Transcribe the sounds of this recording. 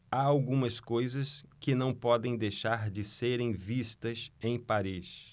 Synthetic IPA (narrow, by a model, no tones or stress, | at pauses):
aawɡũmɐskojzɐskɪnɐ̃w̃pɔd̪ẽj̃d̪ejʃaɾd͡ʒɪseɾẽj̃vist̪ɐsẽj̃paɾis